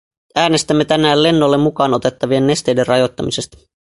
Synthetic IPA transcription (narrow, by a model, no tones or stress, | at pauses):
æːne̞st̪æmːe̞t̪ænæːlle̞nːolːe̞mːukɑːno̞t̪e̞t̪ːɑʋie̞nːe̞st̪e̞jde̞rɑjo̞t̪ːɑmise̞st̪ɑ̥